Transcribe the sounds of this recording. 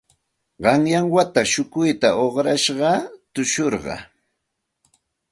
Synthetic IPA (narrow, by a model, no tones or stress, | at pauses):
ɢɑŋjaŋwat̪aʃʊkʊjt̪aʔoχɾaʃɢɑt̪ʊʃoɾɢɑ̰